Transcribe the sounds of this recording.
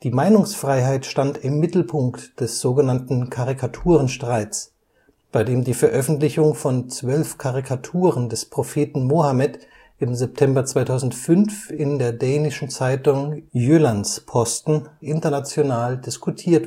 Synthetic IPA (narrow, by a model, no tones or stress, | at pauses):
d̥iːmaɪnʊŋsfʁ̥aɪɦaɪtʃtantɪmːɪtl̩pʰʊŋktd̥ɛsz̥oːɡənantn̩kʰaʁɪkʰatʰuːʁ̞ənʃtʁ̥aɪtt͡s | b̥aɪdeːmdiːfɛɐʔœfn̩tlɪçʊŋfɔnt͡sv̥œlfkʰaʁikʰatʰuːʁəndɛspʁ̥ofeːtn̩moːhamɛt | ʔɪmzɛp̚tʰɛmbɐt͡sv̥aɪtʰaʊzn̩tfʏnfɪndeːɐdɛːnɪʃn̩t͡saɪtʊŋjøːlanspʰɔstn̩ʔɪntɐnat͡sjonaːldɪskʰutʰiːɐt